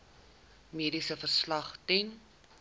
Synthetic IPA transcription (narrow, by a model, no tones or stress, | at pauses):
miədisəfərslɐχtɛn